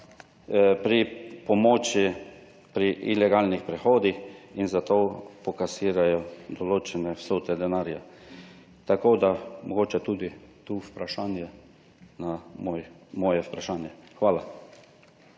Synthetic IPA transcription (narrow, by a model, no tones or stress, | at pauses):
pɾipɔmoːt͡ʃi | pɾiʔilɛɡaːlnixpɾɛxoːd̪ixinzat̪oːpɔkasiːɾajɔd̪ɔloːt͡ʃɛnɛwsoːt̪ɛd̪ɛnaːɾja̰ | t̪akoːd̪amɔɡoːt͡ʃɛt̪uːd̪it̪upɾaʃaːnjɛ | namojmɔːjɛwpɾaʃaːnjɛxʋaːla